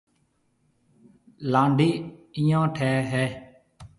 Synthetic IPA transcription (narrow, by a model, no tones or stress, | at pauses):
lãːɳɖiːɪ̃jãːʈʰɛːɦɛː